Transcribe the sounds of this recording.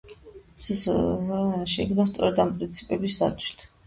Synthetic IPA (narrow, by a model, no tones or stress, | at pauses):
sis | ʃɛɡnast̪sʼɔ̰ɾɛd̪ampʼɾint̪sʰi̥pʼɛbisd̪a̰t̪sʰwi̥t̪ʰ